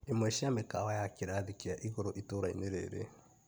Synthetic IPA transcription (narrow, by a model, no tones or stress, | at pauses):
imweʃiamekawajakiɾaðikijaʔiɣoɾoʔitoɾaḭneɾḛːɾḛ